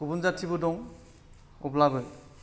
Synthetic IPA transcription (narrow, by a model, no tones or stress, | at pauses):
ubunzatʰibɔdɔŋ | uplaɡɔj